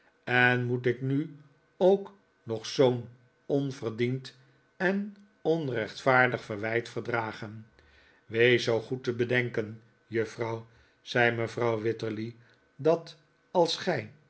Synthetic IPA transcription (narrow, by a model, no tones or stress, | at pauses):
ɛnmutɪkny | owk | nɔχsown | ɔnvərdint | ɛn | ɔnrɛχtfaːɹdəχfərʋɛjtfərdraːχən | ʋejsowχutəbədɛŋkən | jɵfrɑw | z̥ɛjməvrɑwʋɪtəɹli | dɑt | ɑlˠsχɛj